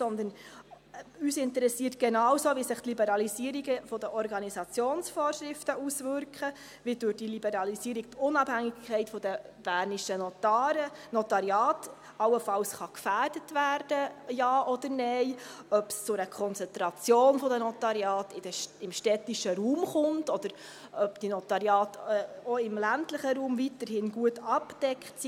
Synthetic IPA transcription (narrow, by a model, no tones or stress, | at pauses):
sɔnd̪ən | yːsɪnt̪əɾɛsiːətɡ̥ɛnɑwsoːʋisɪχt̪libɛɾɑlisiəɾiɡəfɔd̪əʔɔɾɡɑnisɑt͡sjoːnsfɔːɾʃɾɪftəʔusʋʏɾkχə | ʋid̥ʉɾd̥ilibɛɾɑlisiːɾik̚tʊnɑb̥hæŋɪɡkʰːɛɪtfɔd̥̪əb̥æːɾniʃənɔtːənɔt̪ɑɾiɑːt | ɑwəfɑlsχɑkfæːɾdətʋæːɾd̥əjɑːʔɔd̪əɾnɛɪœpst͡sʊɾəkʰɔnt͡sɛnt̪ɾɑt͡sjoːnfɔd̪ənɔt̪ɑɾjɑːtɪd̥əɪmʃtɛtiʃəɾuːmχʊntɔd̥̪əɾ | ʔœpd̥inɔt̪ɑɾjɑːtːɔɪmlæntləχəɾuːmvitəɾhɪnɡuətɑpd̥ɛkχtsi